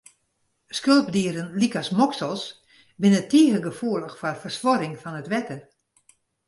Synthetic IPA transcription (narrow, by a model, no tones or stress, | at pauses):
skølˠpdiəɾənlikasmɔksəlˠs | bɪnətiːəɣəɡəfuələxfɔrfərsʋɔɾɪŋfɔnətʋɛtə